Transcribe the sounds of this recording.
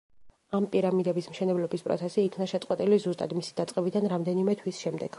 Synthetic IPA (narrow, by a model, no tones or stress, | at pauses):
ampʼiɾamid̪ɛbismʃɛnɛblɔbispʼɾɔ̰t̪sʰɛsiːkʰnaʃɛt̪sʼqʼwɛt̪ʼilizust̪ʼa̰d̪misid̪at̪sʼɛbid̪anɾamd̪ɛnimɛt̪ʰwisʃɛmd̪ɛɡ̥